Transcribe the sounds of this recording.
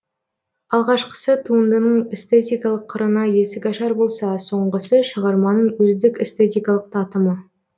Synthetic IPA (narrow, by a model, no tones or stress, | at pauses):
ɑlˠʁɑʃqə̥sət̪ʰuənd̪ənəɴest̪et̪ʲijkɑlˠəqʰːəɾənɑjesɪɡʲɑʃɑɾbo̞lˠsɑso̞ɴʁəsəʃəʁɑɾmɑnəɴwɵzd̪ɪkʲest̪et̪ijkɑlˠəq̚t̪ʰɑt̪əmə